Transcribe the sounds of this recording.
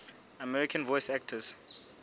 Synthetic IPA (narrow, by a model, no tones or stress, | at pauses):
amɛɹikʰãnvɔjsɛk̚tʰəz̥